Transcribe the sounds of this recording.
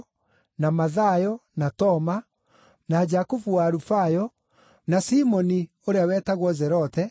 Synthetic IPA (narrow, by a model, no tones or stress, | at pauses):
namaðajɔnatɔma | nad͡ʒakufuwaːɾufajɔ | nasimɔni | oɾeawɛːtaɣwɔzɛɾɔtɛ